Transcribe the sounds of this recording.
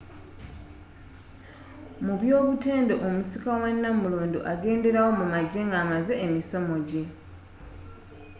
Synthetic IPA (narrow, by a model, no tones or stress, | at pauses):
muβjo̞ːβute̞ːndo̞ʔomusikawanːamuluːnduʔaɡe̞ːnde̞ɾawo̞mumaɟe̞ŋɡaːmaze̞ʔːmiso̞mo̞ɟe̞